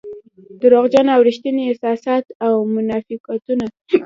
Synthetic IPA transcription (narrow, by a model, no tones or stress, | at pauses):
d̪̥əɾoɣd͡ʒanaawɾiʃt̪əneɪsɑsɑt̪awmʊnɑfiqat̪una